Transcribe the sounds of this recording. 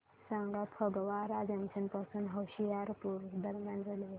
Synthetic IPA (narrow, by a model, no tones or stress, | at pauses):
sãŋɡapʰəɡʋaɾad͡zamsənpasuːnɦəwɕijaɾpuɾd̪əɾmjand͡zʱale